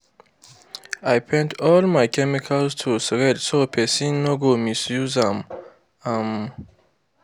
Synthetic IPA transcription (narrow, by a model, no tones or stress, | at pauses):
ajpʰɛ̃ntʰɔlmajkʰɛmikʰalstʰusɹedsopʰesĩnːoɡomisjuzãm | ãn